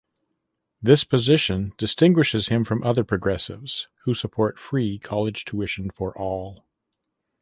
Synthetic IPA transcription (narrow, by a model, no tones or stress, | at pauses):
ðɪspʰɨzɪʃɨ̃nd̥ɨstɪ̃ŋɡwɨʃɨz̥ɨ̃ɱfɹʌ̃mʔʌðə˞pʰɹ̥ɨɡɹɛsɪ̰vz̥husəpʰɔɹtfɹikʰɑlˠɨd̥ʒ̥tʰuɪʃɨ̃n̩fə˞ʔɔlˠ